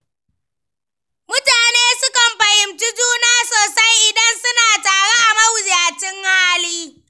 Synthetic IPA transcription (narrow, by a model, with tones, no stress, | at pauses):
mʊ˦taː˨neː˦sʊ˦kɐ˨mɸɐ˨hɪ˨mt͡ʃʊ˦d͡ʒuː˦naː˦soː˨sa˦jʔɪ˨dɐ˦nsʊ˦naː˨taː˨ɽe˦ʔa˨mɐ˦wʊ˨d͡ʒjaː˨t͡ʃɪ˦ŋhaː˦liː˦